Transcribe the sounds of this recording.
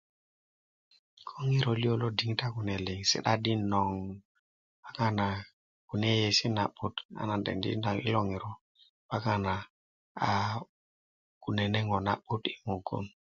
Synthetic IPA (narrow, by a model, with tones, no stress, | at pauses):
kʰo˦ŋi˦ɾo˨li˦o˦lo˦di˨˦ŋta˦ku˨ne˨li˨ŋsḭ˦ɗa˦di˦no˨ŋ | pa˦ka˦na˨ | ku˨ne˦je˨si˦na˨ɓu˦ta̰˨na˨ndḛ˨ndḭ˦nda˨ŋḭ˦lo˦ŋi˨ɾo˨ | pa˦ka˦na˨ | a˨ | ku˨ne˨ne˦ŋo˨na̰˨ɓu˦ti̥˦ŋo˨ɡṵ˦n